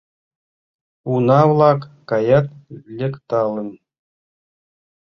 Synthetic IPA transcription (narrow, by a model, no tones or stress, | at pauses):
unɑwlˠɑkːɑjɑt̪lʲɘ̆kt̪ɑlˠɤ̆n